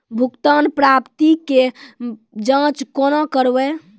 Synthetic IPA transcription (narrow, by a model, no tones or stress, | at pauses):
bʱukt̪anpɾapt̪ike | d͡ʒãt͡ʃkonakəɾbɛ